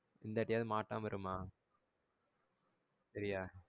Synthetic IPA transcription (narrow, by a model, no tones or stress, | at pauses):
ɪnd̪aɐːʈːɪjaːðɯmaːʈːãːmʋɐɾɯmaː | sɐɾɪjaː